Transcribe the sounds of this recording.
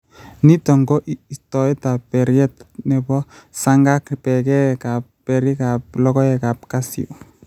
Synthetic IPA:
nitɔŋɡɔʔistɔɛtapːɛɾjɛtnɛbɔsaŋɡakpɛkɛkapːɛɾikap̚lɔkɔɛkapkasḭo

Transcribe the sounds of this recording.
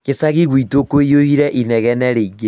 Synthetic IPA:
kesaɣiɣwitokoijohiɾɛʔinɛɣɛnɛɾeiŋe

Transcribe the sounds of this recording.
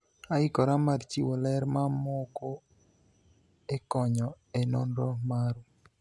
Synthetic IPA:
aikɔɾamaɾt͡ʃiwolɛɾmamɔko | ekɔɲɔ | enɔnɾɔmaɾu

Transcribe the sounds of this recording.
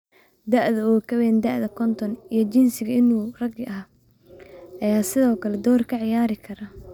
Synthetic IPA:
d̪ɐʔðɐɔːkʰɐβɛːnd̪ɐʔðɐkʰɔnt̪ʰɔnijɞt͡ʃɪnsɪɣɐɪnuːrɐɡɐ | ʔɐjaːsɪðɔːkʰɐlɛd̪ɔːrkʰɐʕɪjaːɾɪkʰɐɾɐ

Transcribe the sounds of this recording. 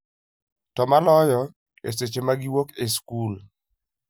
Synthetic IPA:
tɔmalɔjɔ | ḛset͡ʃemaɡɪwokeskul

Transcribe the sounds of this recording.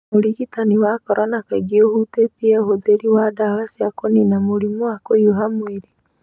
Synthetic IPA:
moɾiɣitaniwakɔɾɔnakeɡiohutetiɛhoðeɾiwadawasiakoninamoɾimoakojoɦamweɾi

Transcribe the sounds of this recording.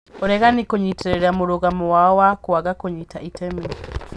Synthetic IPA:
oɾɛɣanikoɲitʰeɾeɾamuɾuɣamɔwawakwaɡakoɲitaʔitɛmi

